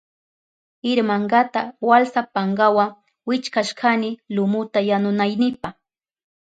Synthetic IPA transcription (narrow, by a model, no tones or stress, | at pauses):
ɪɾmaɴɡat̪awalsapaŋɡawa | wɪt͡ʃkaʃkʰanɪlʊmʊt̪ajanʊnajnɪpaχ